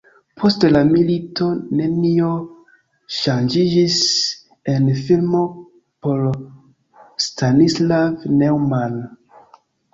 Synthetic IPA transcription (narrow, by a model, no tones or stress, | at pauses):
pʰo̞stlamilito̞ne̞nio̞ | ʃand͡ʒid͡ʒis | e̞nfilmo̞ | po̞l | stanislavnewmal